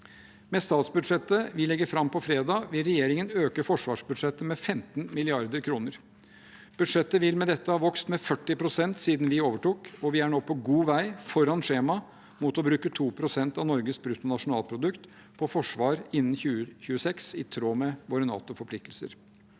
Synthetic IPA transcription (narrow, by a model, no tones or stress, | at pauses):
mɛst̪ɑːt̪sbʉd̪ʂɛt̪ːəʋɪlɛɡːəɾfɾɑmːpʰɔfɾeːd̪ɑːʋɪlɾɛjeːɾɪŋənøːkəfɔʂʋɑːʂbʉd̪ʂɛt̪ːəmɛfɛmt̪nmɪlɪɑɾd̪əɾkʰɾuːnəɾ | b̥ʉd̪ʂɛt̪ːəʋɪlmɛd̪ɛt̪ːəhɑːʋɔkst̪mɛfœʈːɪpɾʊsɛnt̪siːd̪nʋɪoːʋəʈuːkɔʋɪæɳoːpʰɔɡuːʋæɪfɔɾɑnʂeːmɑ | mʊt̪ɔbɾʉːkət̪ʰuːpʰɾʊsɛnt̪ɑʋnɔɾɡəsbɾʉt̪ʊnɑʂʊnɑːlpʰɾʊd̪ʉkt̪ | pʰɔfɔʂʋɑːɾɪnːn̩çʉːəçʉːəsɛksɪt̪ʰɾoːmɛʋoːɾənɑ̰ːt̪ʊfɔpʰlɪk̚t̪əlsə̰ɾ